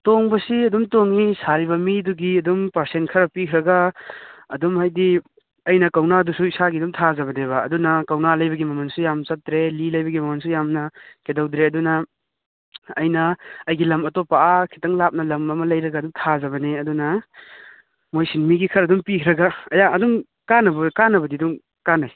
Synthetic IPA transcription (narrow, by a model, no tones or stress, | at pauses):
toŋbɐsiɐdumtoŋːisaɾiβɐmiduɡiɐdumpɐɾsenkʰɐɾɐpikʰɾɐɡa | ɐdumhajdi | ɐjnɐkɐwnadusuisaɡidumtʰazɐbɐdeβɐ̰ːdunɐkɐwnalɐjbɐɡimɐmɐnsujamt͡ʃɐtːɾelilɐjbɐɡimɐmɐnsujamnɐkedɐwdɾeɐdunɐ | ɐjnɐɐjɡilɐmɐtopaʔakʰi̥tɐŋlap̚nɐlɐmɐmɐlɐjɾɐɡaɐdumtʰazɐβɐneɐdunɐ | mojsinmiɡikʰɐɾɐdumpikʰɾɐɡaɐjaɐdum | kanɐbɐkanɐbɐdidum | kanaj